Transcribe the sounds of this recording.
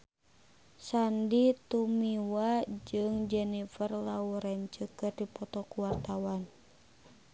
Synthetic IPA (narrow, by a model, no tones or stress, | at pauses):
sandit̪umiwad͡ʒɨŋd͡ʒɛnifərlauɾɛɲt͡ʃəkərdipɔt̪ɔkuwart̪awan